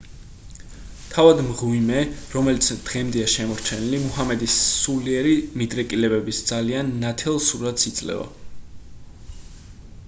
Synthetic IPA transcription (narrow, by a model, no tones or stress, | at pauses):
t̪ʰavad̪mʁwimɛɾɔmɛlit̪sʰd̪̥ʁɛmd̪ɛaʃɛmɔɾt͡ʃʰɛnilimuɦamɛd̪isːuliɛɾimid̪ɾɛkʼilɛbɛbisd̪z̥alianːat̪ʰɛlˠsuɾat̪sit̪sʼlɛ̰va̰